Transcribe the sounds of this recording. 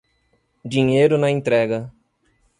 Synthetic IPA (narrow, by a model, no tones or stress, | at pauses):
d͡ʒiɲejɾʊnɐẽnt̪ɾɛɡɐ